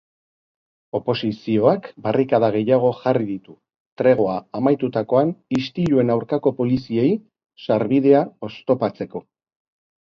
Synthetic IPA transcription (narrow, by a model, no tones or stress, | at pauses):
o̞po̞sisio̞akbarikaðaɣ̞e̞jaɣ̞o̞ʝariðit̪u | t̪ɾe̞ɣ̞o̞aamajt̪ut̪ako̞anist̪iʎue̞nawɾkako̞po̞lisiej | saɾβið̞e̞ao̞st̪o̞pat͡se̞ko̞